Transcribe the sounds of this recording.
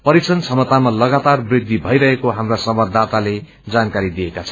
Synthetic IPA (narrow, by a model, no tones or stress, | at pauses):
pʌɾit͡sʌnt͡sʰʌmʌt̪amalʌɡat̪arbrid̪ʱːibʱʌjɾʌɦekoɦamrasʌbʌrd̪ʱat̪ale | d͡zankaɾid̪iekat͡sʰʌ